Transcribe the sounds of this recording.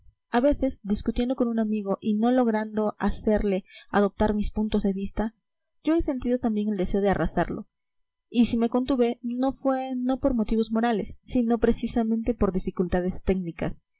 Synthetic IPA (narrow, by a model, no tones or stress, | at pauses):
aβe̞se̞zd̪iskut̪jend̪o̞konunamiɣo̞ʔino̞lo̞ɣɾand̪o̞ʔase̞ɾle̞aðo̞p̚t̪aɾmispunt̪o̞zðe̞βist̪a | ʝo̞e̞se̞nt̪iðot̪ambje̞ŋeld̪e̞se̞o̞ð̞earasa̰ɾlo̞̰ | isime̞ko̞nt̪uβeno̞fwe̞no̞po̞ɾmo̞t̪iβo̞zmo̞ɾale̞sːino̞pɾe̞sisamẽnt̪e̞po̞ɾðifikult̪að̞e̞st̪e̞knika̰s